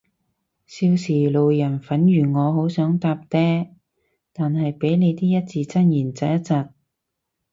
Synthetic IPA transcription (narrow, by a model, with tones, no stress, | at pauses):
siː˧wsiː˨˩lo˨wjɐ˨˩nfɐ˨˥njyː˨˩ŋɔː˨˧ɦo˨˥wsœː˨˥ŋt̪aː˧p̚t̪ɛː˥ | t̪aː˨nɦɐ˨jpe˨˥jne˨˧jt̪iː˥jɐ˥t̚t͡siː˧t͡sɐ˥njiː˨˩nt͡sɐ˧jɐ˥t̚t͡sɐ˨t̚